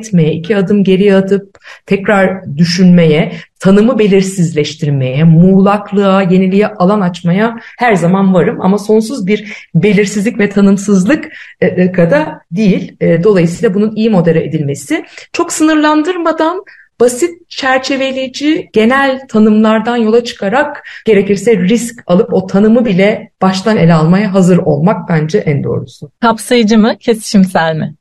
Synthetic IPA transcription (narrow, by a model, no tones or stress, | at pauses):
t̪me̞jɛicʰiad̪ɯmɟe̞ɾijat̪ʰɯp̚t̪ʰɛcɾaɾd̪yʃynme̞jɛt̪ʰanɯmɯbe̞lʲiɾsizlʲɛʃt̪ʰiɾme̞jɛmuːlˠaklˠɯaje̞nilʲijɛʔalˠanat͡ʃmajahæɾzamanvaɾɯma̰maso̞ns̬uzbiɾbe̞lʲiɾsizlʲicʲvɛt̪ʰanɯmsɯzlˠɯkːkʰad̪ad̪ijilʲd̪o̞lˠajɯsɯjlˠabununijimo̞d̪elʲɛed̪ilʲme̞sɪt͡ʃʰo̞ksɯnɯɾlˠand̪ɯɾmad̪an | b̥asit̪̚t͡ʃʰæɾt͡ʃʰe̞ve̞lʲed͡ʒiɟ̥e̞nælʲt̪ʰanɯmlˠaɾd̪anjo̞lˠat͡ʃʰɯ̥kʰaɾakɟ̥e̞ɾe̞ciɾsɛɾiscalˠɯpo̞t̪ʰanɯmɯbilʲɛb̥aʃt̪ʰane̞lʲalˠmajaɦazɯɾo̞̰lˠmak̚band͡ʒaʔænd̪o̞̰ːɾusʊkʰapsajɯd͡ʒɯmɯcʰesi̥ʃimsæɾʲmɪ